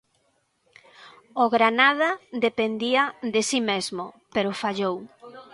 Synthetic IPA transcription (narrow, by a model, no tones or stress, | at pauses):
oɣɾanaðad̪epend̪iad̪esimezmopeɾofaʎow